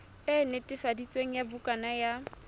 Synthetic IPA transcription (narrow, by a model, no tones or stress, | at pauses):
ɪnetʼɪfadit͡sʼweŋ̩jabukʼanaja